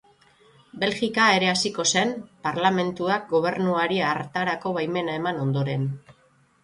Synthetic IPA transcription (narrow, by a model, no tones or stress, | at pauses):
be̞lɣikae̞ɾe̞asiko̞se̞mpaɾlame̞nt̪uak̚ɡo̞β̞e̞ɾnuaɾiaɾt̪aɾako̞βajme̞nae̞mano̞nd̪o̞ɾe̞n